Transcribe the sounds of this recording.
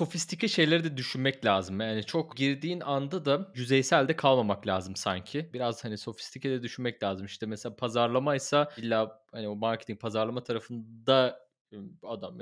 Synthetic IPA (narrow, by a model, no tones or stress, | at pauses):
so̞fist̪ʰicʰɛʃe̞jlʲeɾid̪ɛd̪yʃynmɛclʲaːzɯmjaːnit͡ʃʰo̞kɟiɾd̪iːnand̪ad̪ajyzɛjsælʲd̪ɛkʰalˠmamaklʲaːzɯmsaɲcʰɪbiɾaz̥haniso̞fi̥st̪ʰicʰɛd̪ɛd̪yʃynmɛclʲaːzɯmiʃt̪ɛmɛselʲaːpʰazaɾlˠamajsailʲːaːhaniomaɾcʰet̪ʰiŋ̚pʰazaɾlˠamat̪ʰaɾafɯnd̪a | ad̪am